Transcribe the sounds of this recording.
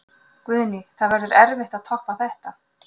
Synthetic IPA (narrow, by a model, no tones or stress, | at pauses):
kvʏðnɪθaðvɛɾðʏɾɛɾvɪht̪aðt̪ʰɔhpaθɛht̪a